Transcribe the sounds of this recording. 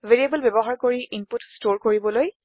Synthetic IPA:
veɹiebəlbɛbɔɦaɹkoɹiʔimputstoɹkoɹibɔloj

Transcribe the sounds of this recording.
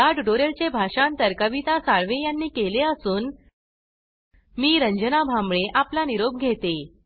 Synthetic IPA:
aɖɾoɾelt͡ɕebʱaʂãnt̪əɾkəʋit̪asaɭʋejanːiːkeleəsuːn | miːɾəɲd͡ʑənabʱamɭeʔaplaniɾob̚ɡʱet̪e

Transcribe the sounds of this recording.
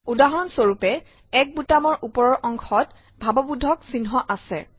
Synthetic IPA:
udaɦɔɹɔnsoɹupɛ | ɛk̚butamɔɹʔupɔɹɔɹʔɔŋkʰɔt | bʱabɔbudʱɔksinɦɔʔasɛ

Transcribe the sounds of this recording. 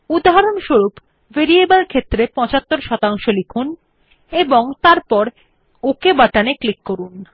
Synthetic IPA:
ud̪aɦaɾonʃoɾup | veɾiebəlkʰet̪ːɾepɔ̃t͡ɕat̪ːoɾʃɔt̪aŋʃolikʰun | eboŋt̪aɾpɔɾ | okebaʈaneklikːoɾun

